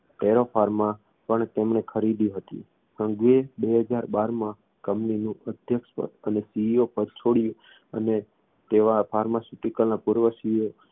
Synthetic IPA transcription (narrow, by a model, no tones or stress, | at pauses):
ʈeɾofʰaɾmã | pəɳt̪emɳekʰəɾid̪iɦət̪ḭ | sə̃ŋɡuebeɦəd͡ʒaɾbaɾmã | kəmninũʔəd̪ʱjəkʃpə̰t̪ənesiiopəd̪̚t͡ʃʰoɽjũ | əne | t̪eʋafʰaɾmasuʈikəlnãpuɾʋəsiio